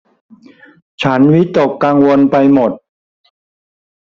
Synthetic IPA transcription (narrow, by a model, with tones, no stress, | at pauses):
t͡ɕʰa˦˥nwi˦˥t̪o˨˩kːaː˧ŋwo˧npa˧jmo˨˩t̪̚